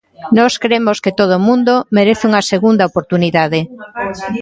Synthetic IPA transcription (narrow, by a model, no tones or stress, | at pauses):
nɔskɾemosket̪oð̞omũnd̪omeɾeθuŋɐseɣund̪ɐopoɾt̪uniðaðe